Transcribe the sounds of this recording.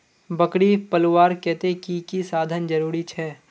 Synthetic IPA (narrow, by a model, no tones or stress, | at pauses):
bɐkɽipɐlʊwaːɾkɛːt̪ekikisaːd̪ʱənd͡ʒɐɾuːɾit͡ʃʰɛː